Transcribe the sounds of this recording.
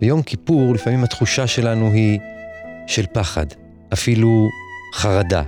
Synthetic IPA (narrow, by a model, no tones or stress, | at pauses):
vejo̞mkipuʁlifamimat̪χuʃaʃe̞lanuɦi | ʃe̞lpaχa̰d | ʔafiluχaʁada̰